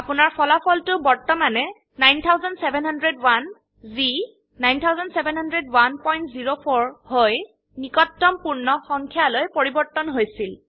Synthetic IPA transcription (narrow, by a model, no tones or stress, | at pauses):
apunaɹpʰɔlapʰɔltʊbɔɹtɔmanɛ | najnt̪ʰawzɔndsebʱɛnɦandɹedwan | zi | najntʰawzɔndsebɛnɦandɹedwanpɔjntziɹopʰɔɹhoj | nikɔtːɔmpuɹnɔxɔŋkʰjalojpoɹibɔɹtːɔnɦojsil